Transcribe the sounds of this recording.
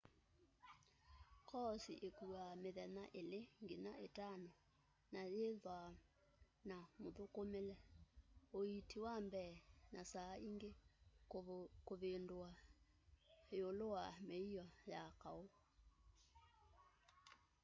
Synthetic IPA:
kɔsiʔekuameðɛna̰ʔeleŋɡenaetano | najeðwa | namoðokomelɛ | oitiwambɛːnasaiŋɡe | koðendoa | eolowameiɔjakao

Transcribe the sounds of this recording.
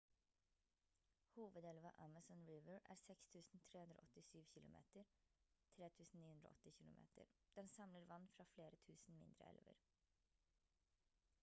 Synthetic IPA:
huːʋəd̪ɛlʋɑʔæmɑsɔnɹɪʋəɹæ̰ːɾsɛkst̪ʰʉːsn̩t̪ʰɾeːhʉnd̪ɾo̰ːʔɔt̪ɪsyːʋçɪlʊmʔḛːt̪əɾt̪ʰɾeːt̪ʰʉːsn̩niːhʉnd̪ɾo̰ʔɔt̪ːɪçɪlʊmʔḛːt̪ə̰ɾd̪̥ɛnsɑmləɾʋɑnːfɾɑːfleːɾət̪ʰʉːsn̩mɪ̰nd̪ɾə̰ɛ̰lʋə̰ɾ

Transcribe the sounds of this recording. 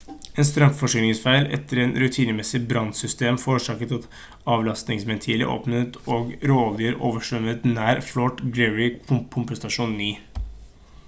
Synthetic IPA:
eːnst̪ɾœmfɔʂʏːnɪŋsfæɪlɛ̰t̪ːəɾɛnɾʉt̪ʰiːnəmɛsːɪbɾɑnsʏst̪eːmfoːɾəʂɑːkət̪ɑt̪ | ɑːʋlɑst̪nɪŋsmɛnt̪ʰiːlə̰ʔo̰ːpnət̪oːɡɾoːlɪəɾʔoːʋəʂʋœmət̪næːɾflɔʈɡlɛɹɪkʰʊmpst̪ɑʂuːnːyː

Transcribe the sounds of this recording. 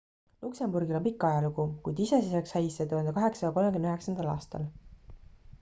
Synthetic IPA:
lukse̞mburɡilompikˑːɑjɑluɡukujd̪̥ise̞siseksɑjsːet̪uhɑnd̪ekɑɦe̞kssɑjɑko̞lmekymnøɦe̞ksɑnd̪ɑlɑ̰ːst̪ɑ̰l

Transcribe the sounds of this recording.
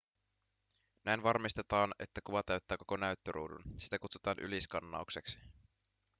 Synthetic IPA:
næjnʋɑrmist̪et̪ɑːne̞̰t̪ːækuʋɑt̪æɥt̪ːæːkoko̞næyɥt̪ːøɾṵːdṵnsi̥t̪ækut̪su̥t̪ɑːnʔy̰liskɑnːɑ̰ukse̞ksi̥

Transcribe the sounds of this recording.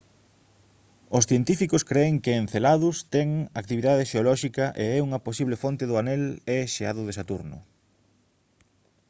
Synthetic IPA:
ʊsθjent̪ifikʊskɾeɪŋkɪ̃ːnθelaðʊst̪ɛŋak̚t̪iβiðaðeʃeolɔʃikɐʔeɛuŋɐposiβlefont̪ɪðʊanɛlɛʃea̰ðʊðɪsat̪uɾnʊ̰

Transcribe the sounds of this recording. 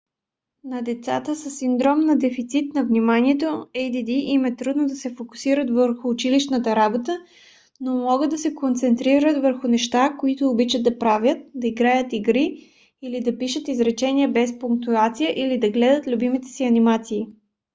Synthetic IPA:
nɐd̪ɛt̪sa̰t̪əsəsːind̪ɾɔmnɐd̪ɛfit̪sit̪nɐvnimaniɛt̪oɛjd̪id̪iʔimɛt̪ɾud̪nod̪ɐsɛfokʊ̥siɾət̪vəɾxʊːt͡ʃiliʃnət̪əɾabot̪ə | nomɔɡət̪̚d̪ɐsɛkont̪sɛnt̪ɾiɾət̪vəɾxʊnɛʃt̪akoit̪oːbit͡ʃəd̪̚d̪ɐpɾavʲjət̪̚d̪ɐiɡɾajət̪iɡɾiː | lid̪ɐpiʃət̪izɾɛt͡ʃɛniəbɛspʊŋk̚t̪uat̪sijəʔilid̪ɐɡlɛd̪ət̪lʲubimit̪ɛ̥siɐnimat̪siː

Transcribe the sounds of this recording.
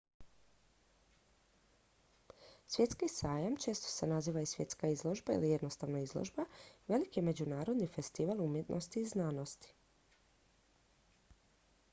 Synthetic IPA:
sʋje̞t̪skisaːjamt͡ʃe̞ːst̪o̥senaziːʋaisʋje̞t̪skaizlˠo̞ʒbaḭlijed̪nost̪aʋnoizlo̰ʒbaʋe̞likjeme̞d͡ʑunaːɾo̞d̪nife̞st̪iʋalˠumje̞t̪nʔost̪iːznaːno̞st̪i̥

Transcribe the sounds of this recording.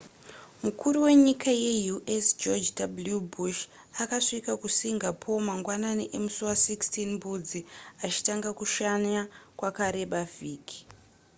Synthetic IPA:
mukʰuɾuwe̞ɲikʰaje̞juʔesd͡ʒod͡ʒdabuljubuʃ | akaʂikakusiŋɡapʰo̞maŋɡwananiʔe̞musuwasikstinmbud͡ziat͡ʃi̥taŋɡakuʃaɲakwakaɾe̞ɓaviːki̥

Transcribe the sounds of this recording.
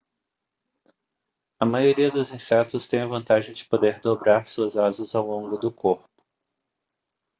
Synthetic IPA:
ɐmajoɾiɐd̪ʊzĩsɛt̪ʊst̪ẽj̃ɐvɐ̃nt̪aʒẽj̃d͡ʒɪ̥pod̪eɾd̪obɾaɾsuɐzazɐzawlõŋɡʊd̪ʊkoɾpʊ̥

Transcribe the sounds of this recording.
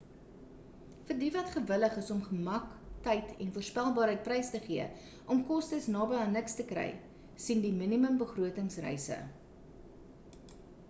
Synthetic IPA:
fərdivɐtχəvələχəsɔmχəmɐktɐjtʰɛnfuərspælˠbɑːɾɦəjt̚prɛjstəχiə | ʔɔmkɔstəsnɑːbəɐnəkstəkrɛ̰j | sindiminiməmbəχruətəŋsrɛ̰jsə̰

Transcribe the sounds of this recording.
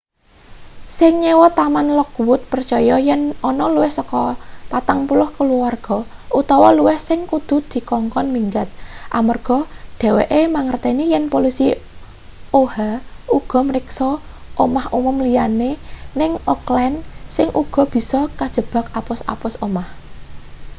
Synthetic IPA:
sɪŋɲewɔt̪amanlɔkwʊt̪̚pərt͡ʃɔjɔjɛnɔnɔluwɪhsəkɔpat̪aŋpulʊhkəluarɡ̥ɔ̤ut̪ɔwɔluwɪhsɪŋkud̪̥ṳd̪̥i̤kɔŋkɔnmiŋɡat̪̚ʔamərɡ̥ɔ̤ɖ̥ɛ̤wḛʔemaŋərt̪enijɛnpolisi | ohauɡ̥ɔ̤məɾɪksɔʔomahumʊmlijanenɪŋʔɔklɛnsɪŋʔuɡ̥ɔ̤b̥i̤sɔkad̥ʒ̥ə̤b̥a̤kapʊsa̰pʊsomah

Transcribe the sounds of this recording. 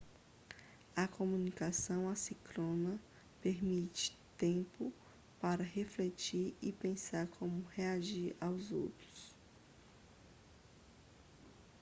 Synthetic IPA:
ɐkomũnikasɐ̃w̃asiklõnɐ | peɾmit͡ʃɪ̥t̪ẽpʊ | paɾɐheflet͡ʃiɾɪpẽsaɾkʰõmʊheaʒiɾawzo̰wt̪ɾʊs

